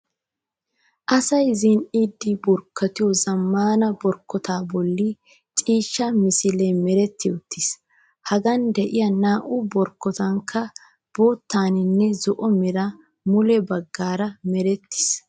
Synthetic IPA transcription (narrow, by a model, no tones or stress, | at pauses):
ʔɐsɐjzɪnʔid̪ːɪbʊɾkʰːɐt̪ɪjɔzɐmːaːnɐbɔɾkːɔt̪aːbɔlːɪ | t͡ʃʼiːʃːɐmɪsɪlɛmɛɾɛt̪ːɪɔt̪ʰːɪs | hɐɡɐnd̪ɛʔɪjɐnaːʔʊbɔɾkːɔt̪ɐŋkʰːɐ | b̥o̞ːt̪ːaːnɪnːɛzɔʔɔmɪɾɐ | mʊlɛbɐɡːaːɾɐmɛɾɛt̪ːɪ̥s